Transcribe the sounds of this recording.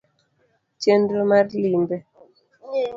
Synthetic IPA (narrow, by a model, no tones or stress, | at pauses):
t͡ʃendomaɾlimbɛ